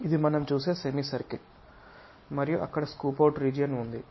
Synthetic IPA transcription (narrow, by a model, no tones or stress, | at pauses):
id̪imɐnɐmt͡ʃuːse̞ːsemiːsɐɾkil | mɐɾijuʔɐ̰kːɐɽɐskuːpɐwʈɾiːd͡ʒijɐnund̪i